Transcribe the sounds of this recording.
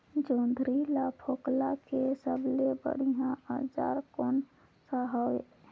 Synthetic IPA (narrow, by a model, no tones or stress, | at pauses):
d͡ʒõːnd̪ʱɾilapʰoːklakesəblebə̰ɽ̤ijãəd͡ʒa̰ːɾkoːn | saɦae